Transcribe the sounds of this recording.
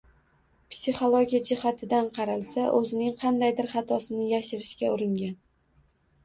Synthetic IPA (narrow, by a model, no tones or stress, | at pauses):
psiχolˠoɡʲijad͡ʒɪhat̪ʰɪd̪anqʰɑɾalˠsaʔɵzɪnɪŋqʰɑnd̪ajd̪ɪɾχɑt̪ʰɒsɪnɪjaʃɪɾɪʃkʲaʊɾɪŋɡʲan